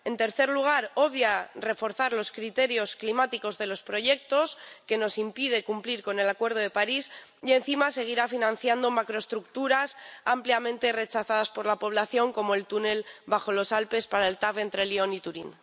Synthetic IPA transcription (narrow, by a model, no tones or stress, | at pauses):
e̞nt̪e̞ɾθe̞ɾluɣ̞aɾo̞βjare̞fo̞ɾθaɾlo̞skɾit̪e̞ɾjo̞sklimat̪iko̞zðe̞lo̞spɾo̞ʝe̞k̚t̪o̞ske̞no̞simpiðe̞kumpliɾko̞ne̞lakwe̞ɾð̞o̞ðe̞paɾisie̞nθimase̞ɣ̞iɾafinãn̟θjand̪o̞makɾo̞e̞st̪ɾuk̚t̪uɾasampljamẽ̞nt̪e̞re̞t͡ʃaθaðaspo̞ɾlapo̞β̞laθjo̞ŋko̞moe̞lt̪une̞lbaχo̞lo̞salpe̞spaɾae̞lt̪afe̞nt̪ɾe̞lio̞nit̪uɾin